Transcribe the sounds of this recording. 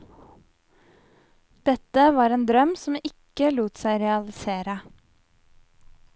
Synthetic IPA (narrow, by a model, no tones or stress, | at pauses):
d̪̥ɛt̪əʋɑːɾeːnd̪ɾœmsɔmɪkəluːt̪sæɪɾɛɑlɪseːɾə